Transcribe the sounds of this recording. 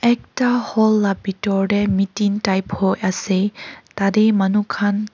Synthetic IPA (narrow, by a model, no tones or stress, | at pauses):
ɛk̚tahɔlːabitɔɹɖɛmitintajphojasɛtadɛmanukʰan